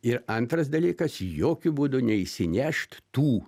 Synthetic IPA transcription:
ɪɾɐnt̪ɾɐsd̪ɐlʲiːkɐsjoːkʲʊbuːd̪ʊnʲɛɪʃsʲɪnʲɛʃt̪t̪uː

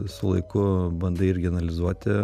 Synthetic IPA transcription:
sʊlˠɐɪkʊbɐnd̪ɐɪɾʲɡʲɪɐnɐlʲɪzuɔt̪ʲɪ

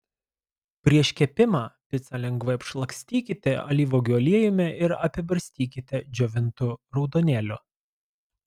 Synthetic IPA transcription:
pʲɾʲiɛʃʲkʲɛpʲɪmɑːpʲɪt̪sʲɑlʲɛŋɡʋɐɪɐpʃlˠɐksʲt̪ʲiːkʲɪt̪ʲɛɐ̰lʲiːʋoːɡʲoːlʲiɛjʊmʲɛʔɪɾɐpʲɪbɐɾʲsʲt̪ʲiːkʲɪt̪ʲɛd͡ʒʲɔʋʲɪnt̪ʊɾɒʊd̪oːnʲeːlʲʊː

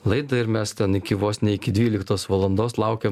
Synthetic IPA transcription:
lˠɐɪd̪ɐɪɾmʲɛst̪ʲɛnɪkʲɪʋoːsnʲɛɪkʲɪd̪ʲʋʲiːlʲɪkt̪oːsʋɐlˠɐnd̪oːslˠɑʊkʲeːm

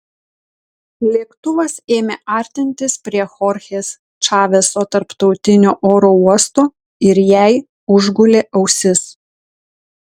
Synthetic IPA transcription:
lʲiɛkt̪ʊʋɐseːmʲeʔɑˑɾʲt̪ʲɪnʲt̪ʲɪspʲɾʲiɛxɔɾʲxʲeːs | t͡ʃɑːʋʲesoːt̪ɐɾpt̪ɒʊt̪ʲɪnʲoːʔoːɾoːuɔst̪oː | ɪɾjæɪ | ʊʒɡʊlʲeːʔɐʊsʲɪs

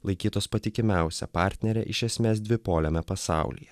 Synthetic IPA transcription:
lˠɐɪkʲiːt̪oːspɐt̪ʲɪkʲɪmʲæˑʊsʲɛ̰pɑˑɾʲt̪ʲnʲɛɾʲɛ̰ʔɪʃʲɛsʲmʲeːs̬d̪ʲʋʲɪpoːlʲɛmʲɛpɐsɑ̰ˑʊlʲḭjɛ

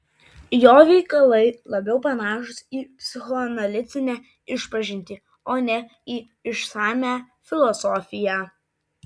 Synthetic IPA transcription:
joːʋʲɛɪkɐlˠɐɪlˠɐbʲɛʊpɐnɑːʃʊsiːpʲsʲɪxɔɐnɐlʲɪt̪sʲɪnʲæː | ɪʃpɐʒʲɪnʲt̪ʲɪ | oːnʲɛ | iː | ɪʃsɑːmʲæːfʲɪlˠɔsɔfʲɪjæ

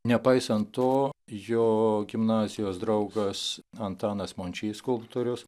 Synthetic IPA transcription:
nʲɛpɐɪsɐntt̪oːjoːɡʲɪmnɑːzʲɪjoːsd̪ɾɐʊɡɐsɐnt̪ɑːnɐsmoːnʲt͡ʃʲiːskʊlˠpt̪oːɾʲʊs

